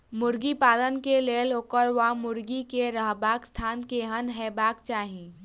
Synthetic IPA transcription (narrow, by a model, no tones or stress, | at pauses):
mʊɾɡipaːlənkeleːlokəɾʋamʊɾɡikeɾəɦbaːkst̪ʰaːnkeɦənɦɛːbaːkt͡ʃaːɦĩ